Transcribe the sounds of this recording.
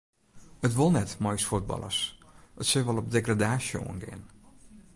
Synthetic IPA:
ətʋolˠnɛtmajsfud̚bɑ̰lˠə̰sətsøʋɔlˠɔp̚deɡradaːsjo̰ənɡɪ̰ən

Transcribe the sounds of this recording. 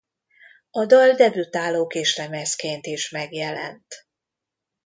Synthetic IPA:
ɒd̪ɒld̪ɛbyt̪aːloːkeːʃlɛmɛskeːnt̪iʃmɛɡjɛlɛ̰nt̪

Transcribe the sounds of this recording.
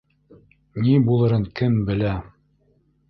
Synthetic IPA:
nibulˠɤ̆ɾɤɴkɘmbɘ̆læ

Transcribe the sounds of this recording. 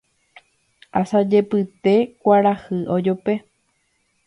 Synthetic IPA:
asad͡ʒe̞pɨt̪e̞kʷaɾahɨʔod͡ʒope̞

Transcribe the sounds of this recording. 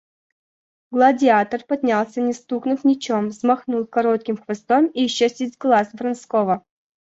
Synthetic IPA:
ɡlˠadʲɪat̪ərpɐd̪ʲnʲalˠsʲənʲɪst̪uknʊfnʲɪt͡ɕomzmɐxnulˠkɐɾot̪̚kʲɪmxvʲɐst̪omiɕːesʲtʲɪsʲɡlˠasvɾɐnskovə

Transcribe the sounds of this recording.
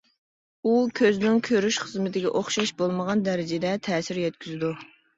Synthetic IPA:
ukʲʰøznɪŋkʲʰøɾyʃχəzmɪt̪ʰɪɡʲɛ̰ʔoχʃɑʃbolˠməʁɑnd̪ɛɾɪd͡ʒɪd̪ɛt̪ʰɛːsɪɾjɛt̪̚kʲʰyzɪd̪u

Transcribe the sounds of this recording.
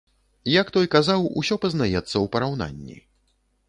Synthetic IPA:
jakt̪ɔjkazawṵsʲɔpɐznajɛt̪sːɐwpɐɾawn̪a̰nʲːḭ

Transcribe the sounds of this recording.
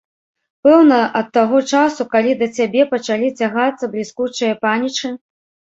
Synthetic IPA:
pɛwnɐʔɐt̪ːaɣɔt͡ʂasukalʲid̪ɐt͡sʲabʲɛpɐt͡ʂalʲit͡sʲaɣat̪sːɐblʲiskut͡ʂɨjɐpanʲit͡ʂɨ

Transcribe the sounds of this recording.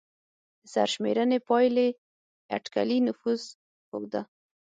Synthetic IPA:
d̪̥əsa̰ɾʃmḛɾənepɑjle | a̰ʈka̰linʊfuz | xoɡd̪a

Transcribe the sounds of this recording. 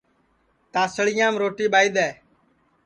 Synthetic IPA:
t̪aːsəɭɪjãːmɾoːʈiːɓaːid̪ɛː

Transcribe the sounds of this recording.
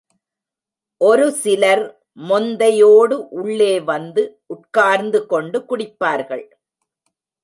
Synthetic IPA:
ʔɔɾɯsɪlɐɾ | mɔnd̪ɐjoːɽɯʔʊɭːeːʋɐnd̪ɯʔʊʈkaːɾnd̪ɯkɔɳɖɯkʊɽɪpːaːɾɣɐɭ

